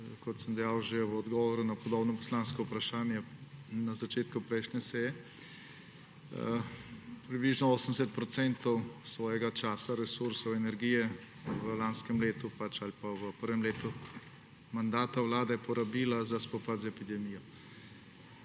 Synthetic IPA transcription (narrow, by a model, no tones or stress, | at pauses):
kɔt̪səmd̪ɛjaːwʒeʋəɔd̪ɡɔʋɔɾunapɔd̪oːbnɔpɔ̥slanskɔupɾaʃaːnjɛnazat͡ʃeːt̪kupɾɛjʃnʲɛsɛːjɛ | pɾibliʒnɔoːsənsɛt̪̚pɾɔt̪sɛnt̪ɔwsʋɔːjɛɡat͡ʃaːsaɾɛsuɾsɔwɛnɛɾɡiːjɛ | ʋəlanskɛmleːt̪upat͡ʃalipaʋəpəɾʋɛmleːt̪u | mand̪aːt̪awlaːd̪ɛjɛpɔɾabiːlazaspɔpat̪zɛpid̪ɛmiːjɔ